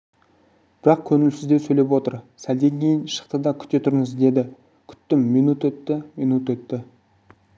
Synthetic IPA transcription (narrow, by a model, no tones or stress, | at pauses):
b̥ɪɾɑq̚kʲʰɵnɪlsɪzd̪e̞sɵjlʲe̞pwo̞t̪əɾsæld̪e̞ŋkʲʰe̞jɪnʃə̥qt̪əd̪ɑkʲʰʏ̥t̪et̪ʰʏɾɪŋɪzd̪e̞d̪ɪ | kʲʰʏ̥t̪ːɪmːinut̪ɵt̪ːɪminut̪wɵt̪ːɪ